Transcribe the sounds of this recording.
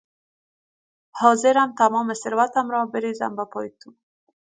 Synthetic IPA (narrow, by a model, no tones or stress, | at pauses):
hɔːzɛɾamt̪ʰamɔːmesɪɾvat̪amɾɔːbeɾiza̰mbapʰɔːjit̪ʰu